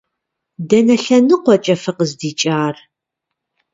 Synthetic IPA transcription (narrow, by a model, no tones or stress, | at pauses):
dɐnɐɬɐnɨqʷɔt͡ʃʼɐfɨqəzdiːt͡ʃʼaːr